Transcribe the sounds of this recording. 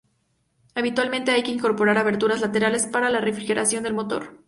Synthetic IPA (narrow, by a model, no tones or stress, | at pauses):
aβit̪walmẽnt̪e̞ajkeiŋko̞ɾpo̞ɾaɾaβe̞ɾt̪uɾazlat̪e̞ɾale̞spaɾalare̞fɾixe̞ɾʔasjond̪e̞lmo̞t̪o̞̰ɾ